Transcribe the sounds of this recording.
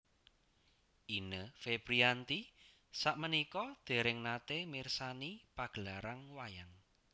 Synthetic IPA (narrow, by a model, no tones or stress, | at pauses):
ʔinəfeb̥ɾiant̪i | saʔmənikɔd̪̥e̤ɾɪŋnat̪emirsanipaɡ̥əlaɾaŋwajaŋ